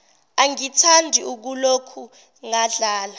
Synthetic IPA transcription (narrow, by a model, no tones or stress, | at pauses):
aŋitʰandʱiuk̬ulokʰu | ŋaɮaːla